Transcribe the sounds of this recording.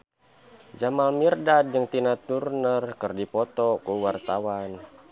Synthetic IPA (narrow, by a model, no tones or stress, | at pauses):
d͡ʒamalmirdad̚d͡ʒɨŋt̪inat̪urnərkɨrdipɔt̪ɔkuwart̪awan